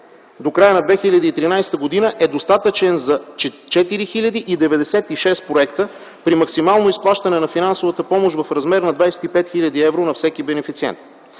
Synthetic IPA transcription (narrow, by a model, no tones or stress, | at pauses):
d̪okɾajənɐd̪vɛxiʎʲɐd̪iːt̪ɾinajst̪əɡod̪inəʔɛd̪ost̪at̪ət͡ʃɛnzɐt͡ʃ | t͡ʃɛt̪iɾixilʲəd̪iʔid̪ɛvɛd̪ɛsɛt̪iʃɛst̪̚pɾoɛkt̪ə | pɾimɐksimalˠnʊisplˠaʃt̪ɐnɛnɐfinansovət̪əpɔmoʃvɐfɾɐzmɛɾnɐd̪vajsɛ̥t̪ipɛt̪xilʲɐd̪iɛvɾonɐfsɛkibɛnɛfit̪siɛ̰nt̪̚